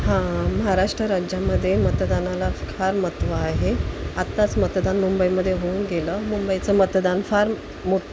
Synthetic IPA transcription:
hãməɦaɾaʂʈɾəɾajaməd̪ʱːjemət̪d̪analakʰaɾmət̪ʋaaɦeat̪ːat͡smət̪d̪anmumbəiməd̪ʱːjeɦounɡeləmumbəjit͡səmət̪d̪anfaɾ | moʈ

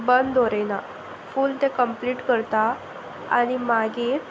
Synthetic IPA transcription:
bənd̪ʱoɾena | fuːlt̪ẽkəmpliːʈkəɾt̪a | a̰ɽ̃imaɡet̪

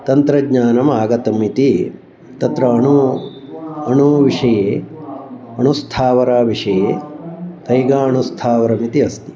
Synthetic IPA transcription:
t̪ɐnt̪ɾɐɡɲaːnɐmaːɡɐt̪ɐmit̪i | t̪ɐt̪ɾɐɐɳu | ɐɳuʋiʂɐjeː | ɐɳust̪ʰaːʋɐɾaːʋiʂɐjeːk̪ɐjɡaːɐɳust̪ʰaːʋɐɾɐmit̪iɐst̪i

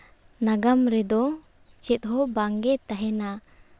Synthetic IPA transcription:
naɡamɾɛd̪ɔ | t͡ʃɛt̪̚ˀɦɔbaŋɡɛt̪aɦɛna

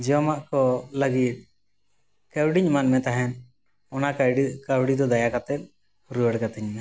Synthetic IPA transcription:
d͡ʒɛɔmaʔkɔləɡit̪̚ | kɛwɽiɲmanmɛ̃t̪aɦɛn | ɔnakkawɽid̪ɔd̪ajakat̪ɛt̪̚ | ɾuɛɽkat̪iɲmɛ

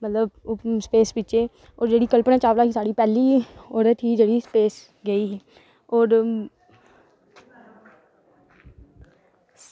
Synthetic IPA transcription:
mət̪ləbspeːsbɪt͡ʃeː | ɔːɾd͡ʒeːɽiːkəlpɳẽːt͡ʃaːʋlaːɦiːsaːɽiːpɛːliːɔːɾət̪ɦiːd͡ʒeːɽiːspeːs | ɡəiːɦː | ɔːɾ

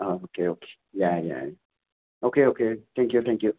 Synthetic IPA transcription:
ookʰeokʰe̥ | jaja̰ja | okeokʰet̪ɛ̃ŋkjut̪ɛ̃ŋkju

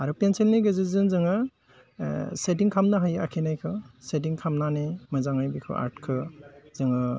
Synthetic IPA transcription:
aɾupenselneɡɯzɯzɯnzɯŋɯ | set̬iŋkʰamnɯɦaja̰kʰenajkʰɯset̬iŋkʰamnanemɯzaŋajbikʰɯ̰ʔa̰ɾt̚kʰɯzɯŋɯ

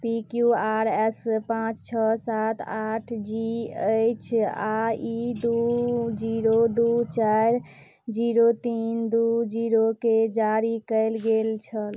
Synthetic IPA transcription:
pikjuaɾɛspãt͡ʃt͡ʃʰəsat̪ʰaʈʰd͡ʒiəjt͡ʃʰaid̪ud͡ʒiɾod̪ut͡ʃajɾ | d͡ʒiɾot̪ind̪ud͡ʒiɾoked͡ʒaɾikəɪlɡelt͡ʃʰəl

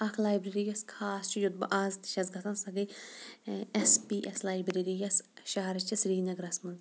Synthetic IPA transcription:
ɐkʰlaːjbɾeɾijɐskʰaːst͡ʃʰijud̪̚bɐʔaːzt̪i̥ʃɐzɡɐsɐnsɐɡɐj | ɛspiːʔɛslaːjbɾeɾijɐsʃaɦɐɾɐt͡ʃɐsɾiːnɐɡɾɐsmɐnd̪

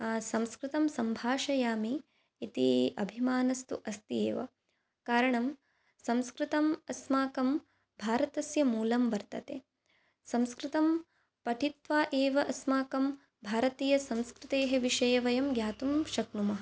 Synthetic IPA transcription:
sɐ̃mskɾɪt̪ɐmsɐmbʱaːʃɐjaːmiː | t̪iɐ̰bʱimaːnɐst̪ṵʔɐst̪iḛːʋɐ̰ | kaːɾɐɳɐm | sɐ̃mskɾɪt̪ɐmɐsmaːkɐm | bʱaːɾɐt̪ɐsjɐmuːlɐmʋɐɾt̪ɐt̪ḛː | sɐ̃mskɾɪt̪ɐm | pɐʈʰit̪ʋaːʔeːʋɐʔɐsmaːkɐm | bʱaːɾɐt̪iːjɐsɐmskɾɪt̪eːɦɐʋiʃɐjɐʋɐjɐmɡjaːt̪umʃɐknumɐɦɐ

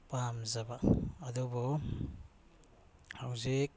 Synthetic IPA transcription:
pamzabaad̪ɔbɔ | hawzik̚

